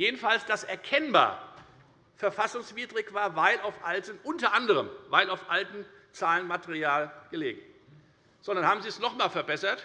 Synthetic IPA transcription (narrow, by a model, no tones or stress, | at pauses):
jeːdn̩falsd̥asʔɛɐkʰɛnba̰ːɐ | fɛɐfasʊŋsv̥iːdʁɪçv̥aːɐvaɪlaʊfʔaltənʔʊntɐʔandəʁəmvaɪlaʊfʔaltn̩ | t͡saːlənmateʁiaːlɡ̥əlḛːɡŋ̩ | z̥odnanhaːbm̩ziːsnɔχmaːlfɛɐbɛsɐt